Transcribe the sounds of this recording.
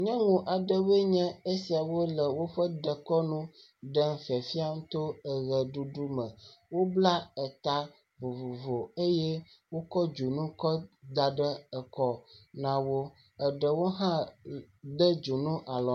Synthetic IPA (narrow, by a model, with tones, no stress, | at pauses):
ɲɛ̃˦ŋũ˨ʔa˨ɖə˦we˦ɲɛ̃˦e˦si˨a˨wo˦lə˨wo˦ɸə˦ɖə˨kɔ˦nũ˦ | ɖə˦ŋ̩˨fi˨ɛ˨fi˦a˦ŋ̩̃˦t̪o˦ə˨ɣə˨ɖu˦ɖu˦mə̃˨wo˦bla˦ə˨t̪a˦ | vo˨vo˨vo˨e˦jɛ˦ | wo˦kɔ˦d͡ʒu˨nũ˦kɔ˦d̪a˨ɖə˦ə˨kɔ˦nã˨wo˦ | ə˨ɖə˨wo˦ɦã˦ | ɖə˦d͡ʒu˨nũ˦ʔa˨lɔ˨